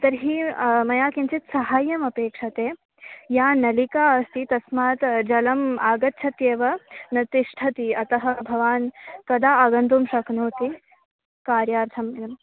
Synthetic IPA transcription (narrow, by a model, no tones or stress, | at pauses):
t̪ɐɾɦiːmɐjaːkint͡ʃit̪sɐɦaːjɐmɐpeːkʂɐt̪eː | jaːnɐlikaːɐst̪it̪ɐsmaːt̪d͡ʒɐlɐmaːɡɐt̪ːt͡ʃʰɐt̪jeːʋɐnɐt̪iʂʈʰɐt̪iɐt̪ɐɦɐ̆bʱɐʋaːnkɐd̪aːɐɡɐnt̪umʃɐknoːt̪i | kaːɾjaːɾt̪ʰɐmɐm